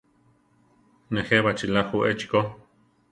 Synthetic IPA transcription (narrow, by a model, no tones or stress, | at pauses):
neheβat͡ʃilahuʔet͡ʃko